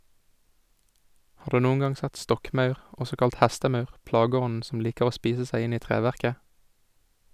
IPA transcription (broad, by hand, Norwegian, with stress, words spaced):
ˈhɑː ˈdʉː ˈnuːŋ̍ ˈɡɑŋ ˈsɛt ˈstɔkˌmɑʉʁ ˈɔsɔ ˈkɑlt ˈhæstəˌmɑʉʁ ˈplɑːɡəˌɔnn̩ ˈsɔm ˈliːkəʁ ˈoː ˈspiːsə ˈsæɪ ˈɪn ˈiː ˈtʁeːʋæʁkə